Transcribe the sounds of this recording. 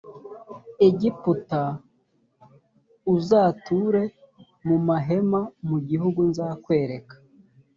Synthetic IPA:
eɟiputa | uzaːtuɾe̞ | mumaɦe̞mamuɟihuɡunzaːkwe̞ːɾe̞kḁ

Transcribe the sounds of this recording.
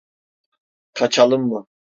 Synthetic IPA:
qʰɑt͡ʃʰɑlˠɨmːu

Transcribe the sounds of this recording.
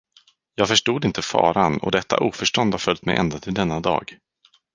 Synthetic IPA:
jɑːɡfœʂʈuːd̪ɪnt̪əfɑ̰ːɾanɔ̰d̪ɛt̪ʰːa̰ʔuːfœʂʈɔnd̪haɾfœlt̪mɛjʔɛ̰nd̪at̪ʰɪld̪ɛnːad̪ɑ̰ːɡ

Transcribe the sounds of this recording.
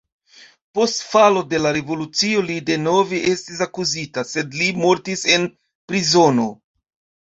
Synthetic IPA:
po̞stfalo̞de̞laɾe̞vo̞lut͡sio̞lide̞no̞veʔe̞stis̬akuzitase̞dlimo̞ɾtise̞n | pɾizo̞no̞

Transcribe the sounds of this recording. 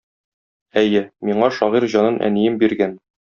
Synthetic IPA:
æjɘmiɴɑʃɒʁiɾʑɒnɤnʔæ̰nijɘmbiɾɡæn

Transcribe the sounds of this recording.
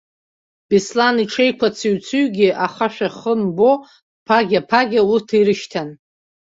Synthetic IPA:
b̥islaniʈ͡ʂʰe̞jkʷʰat͡sʰiɥt͡sʰɨɥɡʲɪʔaχaʃᶣaχəmbo̞ | pʰaɡʲapʰaɡʲaurtʰiɾɨʃtʰan

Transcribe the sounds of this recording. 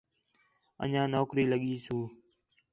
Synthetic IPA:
ə̰ɲãːnoːkɾiːləɠiːsũː

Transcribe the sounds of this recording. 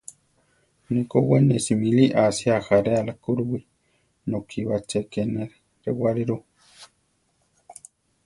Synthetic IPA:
nikowenesimiliʔasiaxaɾealakuɾuwi | nokʰiβat͡ʃekeneɾ | ɾewaɾiɾu

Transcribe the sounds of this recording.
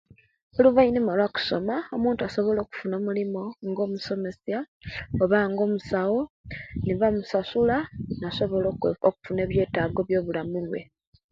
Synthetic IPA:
oluβainimalwaku̥so̞mao̞muːntuaso̞βo̞lo̞ːku̥funomulimo̞ŋɡo̞ːmuso̞me̞sja | oβaŋɡo̞ːmusawo̞niβamusasulanasoβooku̥fune̞ːβje̞ːtaɡo̞βjo̞ːβulamulwe̞

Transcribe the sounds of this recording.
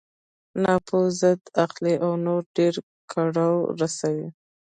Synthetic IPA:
nɑpʰozəd̪aqliʔawnoɾɖeɾ | kʰaɽawɾasawi

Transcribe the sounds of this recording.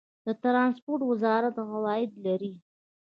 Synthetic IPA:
d̪̥ət̪ɾɑnspoɾʈwɪzɑɾat̪ɣawɑjɪd̪laɾi

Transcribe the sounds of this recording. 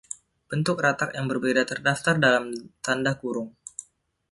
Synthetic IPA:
b̥ənt̪ʊk̚rat̪akjaŋbərbedat̪ərdaft̪ardalamt̪andahkuɾʊŋ

